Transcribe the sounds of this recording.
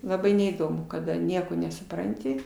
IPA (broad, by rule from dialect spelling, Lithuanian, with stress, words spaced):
lˠɐˈbɐɪ nʲɛiːˈdoːmʊ kɐˈdɐ ˈnʲiɛkoː nʲɛsʊˈprɐnʲtʲɪ